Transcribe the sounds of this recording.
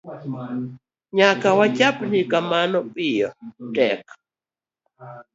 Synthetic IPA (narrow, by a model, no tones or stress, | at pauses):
ɲakawacapnikamanɔpʼijɔtɛk